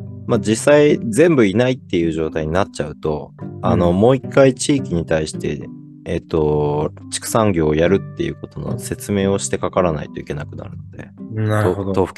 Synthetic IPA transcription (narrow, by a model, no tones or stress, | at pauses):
mad͡ʑisaid͡zẽ̞mbɯ̟inait̪ːe̞jɯ̟ːʑo̞ːt̪aiɲ̟inatt͡ɕaɯ̟t̪o̞̰ano̞mo̞ːikːait͡ɕiːkʲiɲ̟it̪aiɕi̥t̪e̞̰ | et̪ːo̞t͡ɕi̥kɯ̟̥sãŋɡʲo̞ːjaɾɯ̟t̪ːe̞jɯ̟̰ːko̞t̪o̞no̞̰se̞t͡sɨme̞ːo̞ɕi̥t̪e̞kakaɾana̰it̪o̞ike̞nakɯ̟na̰ɾɯ̟nod̪̥e̞̰aot̪oɸɯ̥k